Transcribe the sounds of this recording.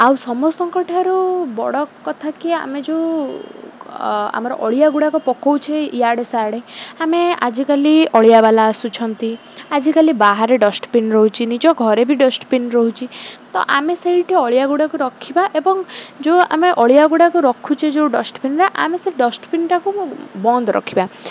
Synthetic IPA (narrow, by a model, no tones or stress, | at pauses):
awsɔmɔsɔŋkɔʈʰaɾubɔ̰ɽɔkɔt̪ʰakia̰med͡ʒeu | a̰maɾɔʔɔɭijaɡuɽakɔpɔkɔwt͡ʃʰeijaɽesaɽeamea̰d͡ʒikaliɔɭijabalaːsut͡ʃʰɔnt̪i | ad͡ʒikalibaɦaɾeɖɔsʈpinɾɔɦut͡ʃʰinid͡ʒɔɡʱɔɾebʱiɖɔsʈpinɾɔɦut͡ʃʰit̪ɔ̰ʔa̰meseɦiʈʰiɔɭijaɡuɽakuɾɔkʰibaʔebɔŋd͡ʒoa̰meʔɔɭijaɡuɽakuɾɔkʰut͡ʃʰed͡ʒeuɖɔsʈpinɾeʔa̰meseɦiɖɔsʈpinʈakubɔnd̪ɾɔ̰kʰiba